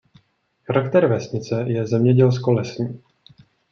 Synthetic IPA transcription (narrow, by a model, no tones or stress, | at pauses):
xaɾakt̪ɛɾvɛsɲɪt͡sɛjɛzɛmɲɛɟɛlskolɛsɲiː